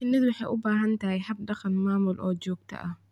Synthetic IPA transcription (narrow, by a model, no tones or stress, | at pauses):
ɪnːɪd̪wɑħɑjʔʊbaːɦɐnt̪ʰɐɦɛjhɐb̚ɖɑqɑnmaːmʊlʔɔːd͡ʒɔːɡ̚t̪ʰɐ̰ʔɐ